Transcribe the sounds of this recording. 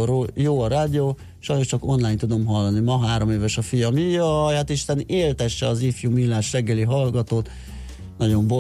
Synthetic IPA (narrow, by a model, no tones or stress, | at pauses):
ɾojoːɒɾaːd̪ioː | ʃɒjno̞ʃt͡ʃɒko̞nlaːjnt̪ud̪o̞mɦɒlːɒnimɒɦaːɾo̞meːvɛʃɒfijɒmijɒjhat̪iʃt̪ɛneːlt̪ɛʃːɛɒzifjumilːaːʃrɛɡːɛliɦɒlɡɒt̪oːt̪ | nɒɟo̞ɱbo